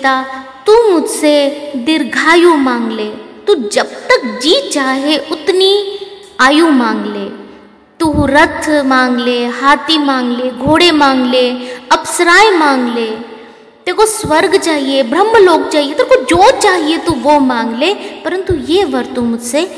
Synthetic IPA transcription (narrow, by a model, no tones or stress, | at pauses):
t̪at̪uːmʊd͡ʒsed̪ɪɾɡʱaːjũmãːŋɡleːt̪uːd͡ʒɐbt̪əkd͡ʒiːt͡ʃaːɦeʔʊt̪ni | aːjũmãːŋɡleː | t̪uɦɾɐt̪ʰːmaːŋɡleɦaːt̪imãːŋɡleːɡʱoːɽemaːŋɡleɐpsɾaːjmãːŋɡleː | t̪ekosʋɐɾɡt͡ʃaːɦiebɾɐmːloːk̚t͡ʃaːɦijet̪ɐɾkod͡ʒoːt͡ʃaːɦiet̪uʋomãːŋɡlepɐɾə̃nt̪ujeːʋəɾt̪umʊd͡ʒse